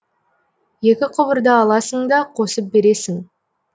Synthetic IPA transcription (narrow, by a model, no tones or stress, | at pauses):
je̞kʲɪqʰʊbəɾd̪əɑlˠɑsəɴd̪ɑqʰo̞səp̚be̞ɾe̞sɪŋ